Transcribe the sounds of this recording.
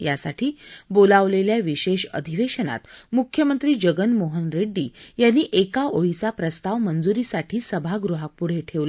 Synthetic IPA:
ja̰saʈʰiːbolaʋleljaʋiɕeɕə̰d̪ʱiʋeɕəna̰t̪mukʰːjəmənt̪ɾiːd͡ʑəɡənmoɦənɾeɖːiːjanːiːʔekaoɭit͡sapɾəst̪aʋmənd͡zuɾiːsaʈʰiːsəbʱaɡɾuɦak̚puɽ̤eʈʰeʋlə

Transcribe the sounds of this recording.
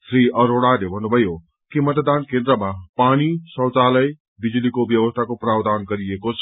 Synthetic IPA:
sɾiʔʌɾoɽalebʱʌnːubʱʌjo | kimʌt̪d̪ankẽnd̪ɾʌmapanisʌ̃wt͡salʌj | bid͡zulikobjʌwʌst̪ʰakoprabd̪anɡʌɾiekot͡sʰ

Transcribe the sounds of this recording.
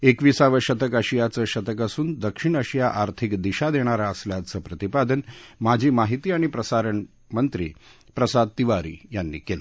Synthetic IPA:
ekʋiːsaʋəɕət̪əkəɕijat͡səːɕət̪əkasuːnd̪əkʂiɳəɕijaʔaɾt̪ʰikd̪iɕad̪eɽ̃aɾaəsljat͡səːpɾət̪ipad̪ənmad͡ʑʱiːmaɦit̪iːaɽ̃ipɾəsaɾəɳ | mənt̪ɾiː | pɾəsad̪̚t̪iʋaɾḭːjanːḭːkela

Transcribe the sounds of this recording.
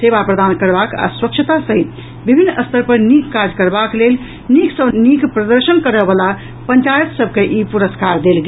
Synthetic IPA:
sebapɾəd̪ankəɾbaka̰sɾəkt͡ʃʰət̪asəɦit̪ | bibʱinːəst̪ʰəɾpəɾnikkːaɾd͡ʒkəɾbaklel | niksənikpɾəd̪əɾsənkəɾəbəla | pəɲt͡ʃajət̪səb̚ʱkeʔipuɾəskaɾd̪elɡe

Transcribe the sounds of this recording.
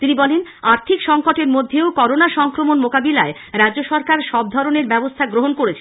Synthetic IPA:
t̪inibɔlenaɾt̪ʰikʃɔŋkoʈeɾmod̪ʱːeokɔɾonaʃɔŋkɾomonmokabilae | ɾadd͡ʑoʃɔɾkaɾʃɔb̚d̪ʱɔɾoneɾbɛbost̪ʰaɡɾoɦonkoɾet͡ɕʰe̥

